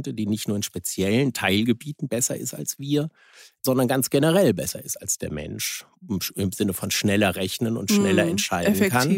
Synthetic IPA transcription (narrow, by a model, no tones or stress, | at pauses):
təd̥iːnɪçtnuːɐɪnʃpet͡sjɛləntʰaɪlɡəbiːtn̩bɛsɐɪ̰sta̰lsv̥iːɐ | z̥ɔndɐnɡant͡sɡ̥enəʁɛlbɛsɐ̰ɪstalsd̥eːɐmɛ̰nʃ | ɪmzɪnəfɔnʃnɛlɐʁɛçnənʊ̰ntʃnɛlɐɛntʃaɪdn̩kʰan